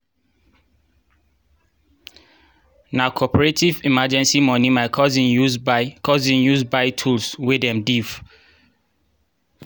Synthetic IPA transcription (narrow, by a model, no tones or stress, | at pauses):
nakʰɔpɔɹetivimad͡ʒɛ̃nsimɔ̃nimaɪkʰɔzĩnjuzkɔzĩnjuzbaɪtʰulswedɛ̃mdiv